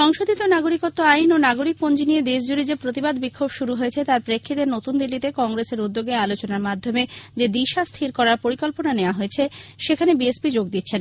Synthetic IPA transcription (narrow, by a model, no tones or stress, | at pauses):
ʃɔŋʃod̪it̪onaɡoɾikot̪ːoajnonaɡoɾik̚pond͡ʑinijed̪eʃ̬d͡ʑuɾid͡ʑepɾot̪ibad̪bikʰːobʃuɾuɦojet͡ɕʰet̪aɾpɾekʰːid̪eɾnot̪und̪ilːit̪ekɔŋɡɾeseɾud̪ːoɡealot͡ɕonaɾmad̪ʱːomed͡ʑed̪iʃast̪ʰiɾkɔɾaɾpoɾikɔlponaneoaɦoet͡ɕʰeʃekʰanebiesbid͡ʑoɡd̪it̪ːɕʰen